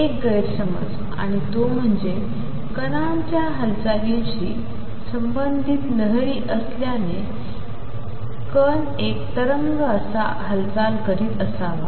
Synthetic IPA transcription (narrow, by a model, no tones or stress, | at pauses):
ek̚ɡəjɾsəmə̰d͡z | a̰ɽ̃it̪om̤əɳd͡ze | kənamt͡ɕjaɦəlt͡salãɲɕiː | səmbənd̪ʱiːt̪nəɦɭiːʔəsljane | kən | ek̚t̪əɾəŋɡəəsa | ɦəlt͡salkəɾiːt̪əsaʋa̰